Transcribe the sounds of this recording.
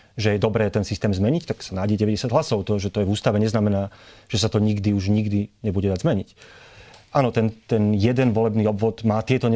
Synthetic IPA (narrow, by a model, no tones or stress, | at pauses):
ʒɛjɛd̪ɔbɾɛːt̪ɛnsist̪ɛːmzmɛɲict̪aksanaːɟɛɟɛʋɛɟɛsɪjaɟ̪ɦlasɔʊt̪ɔʒɛt̪ɔjɛvuːst̪aʋɛɲɛznamɛnaːʒ̥ɛsat̪ɔɲiɡd̪iuʒɲiɡd̪iɲɛbuɟɛd̪azmɛɲic | aːnɔt̪ɛnt̪ɛnjɛd̪ɛnʋɔlɛbniːɔbʋɔd̪maːt̪ɪɛt̪ɔɲɛ